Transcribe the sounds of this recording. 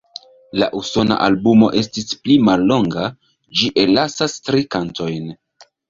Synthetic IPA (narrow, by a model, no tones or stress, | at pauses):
la̰ʔuso̞na̰ʔalbumo̞̰ʔe̞stisplimalːo̞ŋɡa | d͡ʒiʔe̞lasastɾikanto̞jn